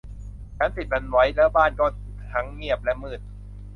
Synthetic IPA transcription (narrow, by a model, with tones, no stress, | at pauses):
t͡ɕʰaː˦˥nsi˨˩t̪̚ʔa˧nwa˦˥jlɛ˦˥baː˥˩nkɔː˧˥˩t̪t̪ʰa˦˥ŋːi˥˩əp̚lɛ˦˥ʔmɯː˨˩t̪̚